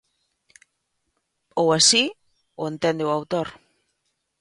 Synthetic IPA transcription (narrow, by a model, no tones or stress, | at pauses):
owasi | oent̪end̪eoawt̪oɾ